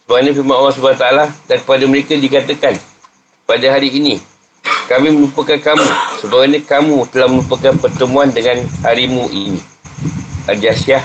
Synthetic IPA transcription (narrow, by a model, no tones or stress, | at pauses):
səbaɡaɲãfimaʔalːas̬əbaat̪aaladankə̥padaməɾekadikat̪əkan | padaɦaɾiːnĩ | kamihmə̃lupəkankamũsəbaɡaɲãkamũt̪əlahməlupəkanpərt̪əmũandəŋanhaɾimũʔinḭ̃ | ʔad͡ʒasiah